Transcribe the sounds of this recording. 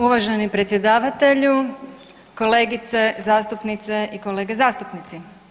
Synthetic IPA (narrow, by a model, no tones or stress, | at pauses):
uʋaʒenipɾe̞t̪sjed̪aːʋat̪e̞ʎu | ko̞le̞ːɡit̪se̞zaːst̪upnit̪se̞ʔiko̞leːɡezaːst̪upnit̪si